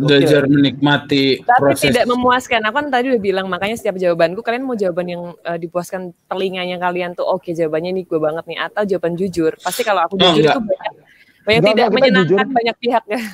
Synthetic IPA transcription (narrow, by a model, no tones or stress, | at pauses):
d͡ʒad͡ʒarmənik̚mat̪it̪apɾoist̪ɛidaʔməmuaskanakukant̪adiudahbilaŋmakaɲasə̥t̪iap̚d͡ʒawabankukalianmad͡ʒawabanjaŋədipuaskant̪əliŋaɲakaliant̪uʔoked͡ʒawabanɲaniɡuabaŋət̪̚niʔat̪awd͡ʒawaband͡ʒud͡ʒʊrpast̪ikalaakud͡ʒud͡ʒʊɾɡɡatubaɲak̚ | baɲakɡt̪idaməɲənad͡ʒkanbaɲak̚piɦak̚kah